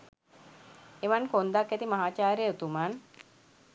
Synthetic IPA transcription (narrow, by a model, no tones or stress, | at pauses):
eʋankond̪akːæt̪imaɦaːt͡ʃaːɾejəut̪uman